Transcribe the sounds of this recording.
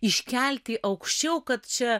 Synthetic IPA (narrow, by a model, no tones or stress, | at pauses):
ɪʃʲkʲælʲt̪ʲiʔɐʊkʃʲt͡ʃʲɛʊkɐt̪t͡ʃʲɛ